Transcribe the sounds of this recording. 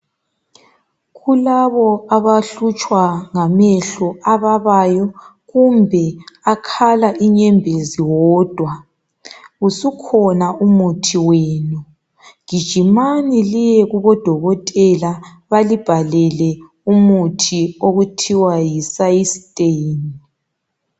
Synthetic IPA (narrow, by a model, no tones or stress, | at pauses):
ɣulaβɔaβaɬut͡ʃʼwaŋamɛɬɔaβaβajɔ | ɣumbʱɛakʰalaʔiɲɛmbʱeziwɔːd̥ʱwa | usukʰɔnaumutʰiweːnu | ɣ̥id̥ʒ̥ʱimanilijɛɣuβɔd̥ʱɔɣɔtʼɛla | βalib̥ʱalɛlɛ | umutʰioɣutʰiwajisajisitʼeni